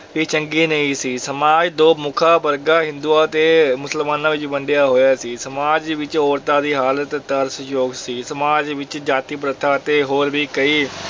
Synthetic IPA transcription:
biːt͡ʃəŋɡiːnəĩːsiːsəmaːd͡ʒd̪oːmʊkʰaːbəɾɡaːɦɪ̃nd̪uːaːt̪eːmʊsəlmaːnaːʋɪt͡ʃbəɳɖjaːɦoːjaːsiːsəmaːd͡ʒʋɪt͡ʃɔːɾt̪aːd̪iːɦaːlət̪t̪əɾsjoːɡsiːsəmaːd͡ʒʋɪt͡ʃd͡ʒaːt̪iːpɾət̪ʰaːt̪eːɦoːɾbiːkəiː

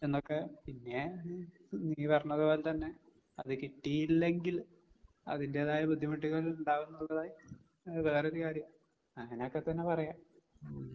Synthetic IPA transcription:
e̞nːo̞kːepinːe̞ | niːpɐrɐnːɐðɨpo̞ːlet̪ɐnːe̞ | ɐðɨkiʈːijilːe̞ŋɡil | ɐ̰ðinde̞ːðaːjɐbud̪ʱːjimɐʈːiɣɐɭiluɳɖaːʋunːɐɭlɐðaːji | ʋe̞ːreoɾukaːɾjɐm | ɐŋɐnokːet̪ːɐnːe̞pɐrɐjaːm

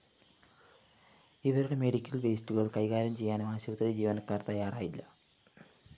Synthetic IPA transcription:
iʋɐɾuɽe̞me̞ɽikʲːɐlbeːstuɣɐɭkɐjɣaːɾɐmt͡ɕe̞jːaːnmaːɕɐʋɐt̪ːrɐed͡ʑiːʋɐnɐkːaːrt̪ɐjːaːraːjilːɐ

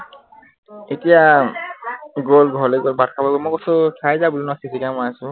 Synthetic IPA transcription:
etija | ɡolɡʱɔleɡɔlbatkʰabaɡɔmɔjkɔsʊkʰajzabulinɔsisikamɔjasʊ̃

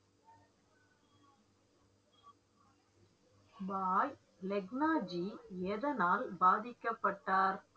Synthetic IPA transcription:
baːj | lɛɡnaːd͡ʒieːðɐnaːlbaːðɪkːɐpːɐʈːaːɾ

